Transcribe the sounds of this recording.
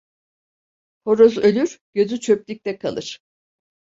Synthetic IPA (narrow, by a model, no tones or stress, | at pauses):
hoɾozø̞lʲyɾɟ̥ø̞zyt͡ʃʰø̞plʲic̚t̪ʰɛkʰa̰lˠɯɾ̥